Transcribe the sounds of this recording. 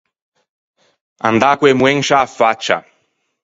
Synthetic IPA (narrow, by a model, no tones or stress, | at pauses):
and̪akwemueŋʃafat͡ʃa̰